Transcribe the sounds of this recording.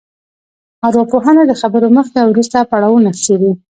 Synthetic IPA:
aɾwapoɦanad̪əxabəɾoməxd̪awɾust̪apaɽɑwunasedi

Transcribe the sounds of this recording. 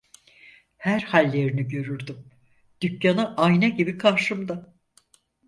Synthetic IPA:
hæɾhalʲːe̞ɾiniɟø̞ɾyɾd̪ym | d̪̥ycjanɯʔajnɛɟibikʰaɾʃɯmd̪a

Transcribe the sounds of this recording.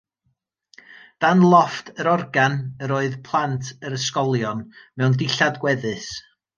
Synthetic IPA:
d̥anlˠɔftʰəɾɔrɡanəɾoːɨðpʰlˠantʰəɾəskɔlˠjɔnmɛwndɪɬadɡwɛðɨs

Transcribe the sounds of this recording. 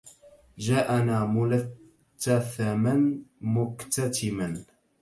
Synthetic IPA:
d͡ʒaːʔanaːmʊlatː | aθamanmʊkt̪at̪ɪman

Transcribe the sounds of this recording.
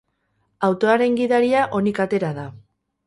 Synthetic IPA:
awt̪o̞aɾe̞ŋɡiðaɾiaʔo̞nikat̪e̞ɾaða

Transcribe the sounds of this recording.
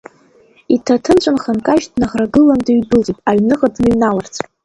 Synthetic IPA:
itʰatʰɨnt͡ɕʷʰʼanχankʼaʒdnaχraɡɨlandaɥdɨlt͡sʼipʼaɥnɨχadnɨɥnalart͡sʰʼ

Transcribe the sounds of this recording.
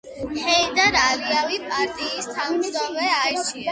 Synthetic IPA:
hɛid̪aɾaliavipʼaɾt̪ʼiːst̪ʰanmʒd̪ɔmɛait͡ʃ

